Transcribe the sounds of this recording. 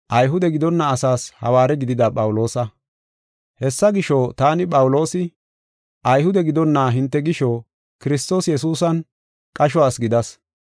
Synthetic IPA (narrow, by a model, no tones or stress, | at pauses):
ʔɐjɦʊd̪ɛɡɪd̪ɔnːɐːsaːshɐ̰waːɾɛɡɪd̪ɪd̪ɐpʼɐwʊlo̞ːsɐ | hɛsːɐɡɪʃoːt̪aːnɪpʼɐwlo̞ːsɪ | ʔɐjɦʊd̪ɛɡɪd̪ɔnːaːɦɪnt̪ːɛɡɪʃoː | kɪɾɪs̬t̪o̞ːsjɛsuːsɐn | kʼɐʃ̬ɔaːsɡɪd̪ɐs